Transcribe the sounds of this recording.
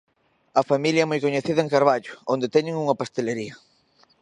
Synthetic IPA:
ɐfamiljɐɛmojkoɲeθiðɐẽŋkaɾβaʎʊond̪et̪ɛɲeŋuŋɐpast̪eleɾiɐ

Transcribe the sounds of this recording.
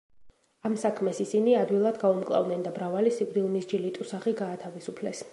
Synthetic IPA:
amsakʰmɛsisiniad̪wilˠad̪ɡaumkʼlˠa̰vd̪nɛnd̪abɾavalisikʼd̪ilˠmisd͡ʒilit̪ʼusaʁiɡaːt̪ʰavisupʰlɛs

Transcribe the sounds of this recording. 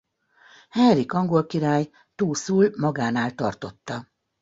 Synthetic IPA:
hɛnrikɒŋɡo̞lkiɾaːj | t̪uːsuːlmɒɡaːnaːlt̪ɒrt̪o̞t̪ːɒ

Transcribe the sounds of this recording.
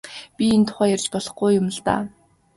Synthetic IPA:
pʲient̪ʰʊ̥χæːjærʲt͡ɕpɔɮɞ̆χɡujːʊmə̆ɮt̪a̰ː

